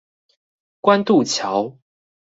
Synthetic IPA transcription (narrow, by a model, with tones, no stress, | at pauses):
kwa˦nt̪u˥˨t͡ɕʰja˨˦ʊ